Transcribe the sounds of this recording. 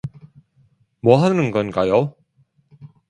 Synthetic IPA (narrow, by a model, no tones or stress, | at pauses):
mwʌɦanɯnɡʌnɡajo